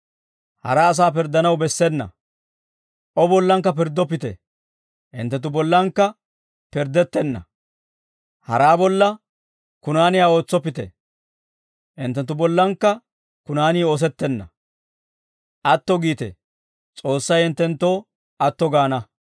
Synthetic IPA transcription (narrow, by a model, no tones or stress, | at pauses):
hɐ̰ɾɐːs̬aːpɪɾd̪ːɐnɐwbɛsːɛnːɐ̰ | ʔɔbɔlːɐŋkːɐpɪɾd̪ːɔpɪt̪ɛ̰ | ʔɪ̰nt̪ːɛt̪ːʊbɔlːɐŋkːɐ | pɪɾd̪ɛt̪ːɛnːɐ̰ | hɐ̰ɾaːbɔlːɐ | kʊnaːnɪjaːo̞ːt͡sːɔpːɪt̪ɛ̰ | ʔɪnt̪ːɛnt̪ːʊbɔlːɐŋkːɐ | kʊnaːniːoːs̬ɛt̪ːɛnːɐ̰ | ʔɐt̪ːɔɡiːt̪ɛ̰ | t͡sʼo̞ːsːɐjɪnt̪ːɛnt̪ːoː | ʔɐt̪ːɔɡaːnɐ